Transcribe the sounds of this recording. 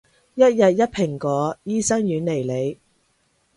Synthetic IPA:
jɐ˦˥t̚jɐ˨t̚jɐ˥t̚pʰɪ˨˩ŋkɔː˨˧˦jiː˥sɐ˥ŋjyː˨˧nle˨˩jle˨˧j

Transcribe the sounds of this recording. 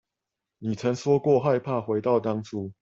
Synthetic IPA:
ni˨˩t͡sʰə˨˦ŋʂwɔ˦kwɔ˥˨xa˥˧ɪpʰa˥˨xwe˨˥ɪt̪ɑ˥˨ʊt̪ɑ˥˦ŋʈ͡ʂʰu˦

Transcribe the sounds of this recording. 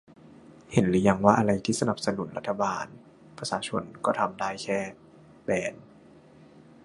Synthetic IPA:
he˨˦nlɯː˨˩˦ja˧ŋwaː˥˩ʔa˧ɾa˧jt̪ʰiː˥˩sa˧na˨˩p̚sa˧nu˨˩˦nɾa˦t̪ʰːa˧baː˧n | pʰɾa˧saː˧˦t͡ɕʰo̰˧nkɔː˥˩t̪ʰa˧mdaː˥˩jkʰɛː˥˩ | bɛː˨˩n

